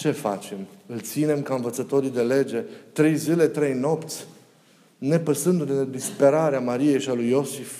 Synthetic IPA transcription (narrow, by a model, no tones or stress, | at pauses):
t͡ʃe̞fa̰t͡ʃe̞mɨlt̪sine̞mkaɨnvət̪sət̪o̞ɾid̪e̞le̞d͡ʒe̞t̪ɾe̞jzile̞t̪ɾe̞jno̞pt̪sʲ | ne̞pəsɨnd̪unened̪ispe̞ɾaɾeamaɾie̞jʃialujo̞si